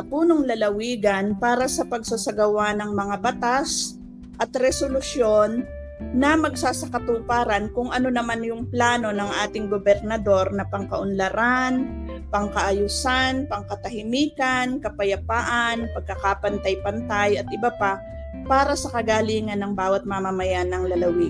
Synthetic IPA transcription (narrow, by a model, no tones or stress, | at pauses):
ɐpuːnoŋlɐlɐwiːɡɐnpaːɾɐsɐpɐɡsasɐɡɐwanɐŋmɐŋabɐt̪as | ʔɐt̪ɾɛsolʊsjo̞nː | ɐmɐɡsaːsɐkɐt̪ʊpaːɾɐnkʊŋʔɐno̞nɐmanjʊŋplaːno̞nɐŋʔaːt̪ɪŋɡobɛɾnɐd̪o̞ɾnɐpɐŋkɐʔʊnlɐɾan | pɐŋkɐʔɐjusanpɐŋkɐt̪ɐhɪmiːkɐnkɐpɐjɐpaːʔanpɐɡ̚kːɐkapɐnt̪ɐjpɐnt̪ajɐt̪̚ʔɪbapa | paːɾɐsɐkɐɡaːliːŋɐnːɐŋbaːwɐt̪̚mamamɐjanɐŋlɐlɐwɪ